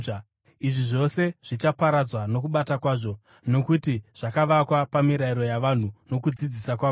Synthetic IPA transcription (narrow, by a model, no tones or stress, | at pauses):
iʐiʐo̞se̞ʐ̥it͡ʃapaɾad͡zwano̞kuɓatakwaːʐo̞ | no̞kutiʐ̥akaʋakwapamiɾaiɾo̞jaʋan̤uno̞kud͡zid͡zisakwa